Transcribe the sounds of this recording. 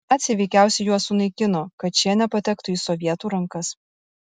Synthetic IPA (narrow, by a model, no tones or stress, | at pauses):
æːt̪ʲsʲɪʋʲɛɪkʲæˑʊsʲɛjuɔsːʊnɐɪkʲɪnoːkɐt̪̚t͡ʃʲiɛnʲɛpɐt̪ʲɛkt̪ʊiːsɔʋʲiɛt̪uːɾɐŋˑkɐs